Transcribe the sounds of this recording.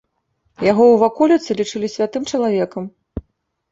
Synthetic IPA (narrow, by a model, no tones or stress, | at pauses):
jaɣɔwvakɔlʲɛt̪sɨlʲit͡ʂɨlʲisʲvʲat̪ɨmt͡ʂɐlˠavʲɛkɐm